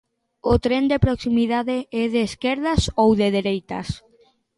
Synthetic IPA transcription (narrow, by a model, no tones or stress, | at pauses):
ʊt̪ɾɛnd̪epɾoksimiðaðeɛðeːskeɾðasowðeð̞eɾejt̪a̰s